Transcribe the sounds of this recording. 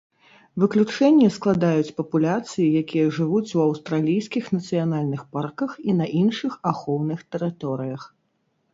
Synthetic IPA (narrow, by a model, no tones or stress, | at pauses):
vɨklʲut͡ʂɛnʲːɛsklˠad̪ajut͡sʲpɐpulʲat̪sɨjijakʲijɐʐɨvut͡sʲuɐwst̪ɾalʲijskʲixnɐt̪sɨjanalʲnɨxparkɐxinɐʔinʂɨxaxɔwnɨxt̪ɛɾɨt̪ɔɾɨjɐx